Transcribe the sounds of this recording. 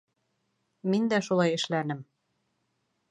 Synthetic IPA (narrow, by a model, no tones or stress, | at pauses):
mind̪æʃulˠɑjɘ̆ʃlænɘ̆m